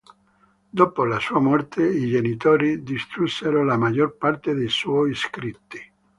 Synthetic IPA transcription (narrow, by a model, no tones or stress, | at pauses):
d̪opolasuːamɔrt̪ʰeid͡ʒenit̪oːɾid̪ist̪ɾusːeɾolamad͡ʒorpart̪ed̪ejswɔjskɾit̪ːi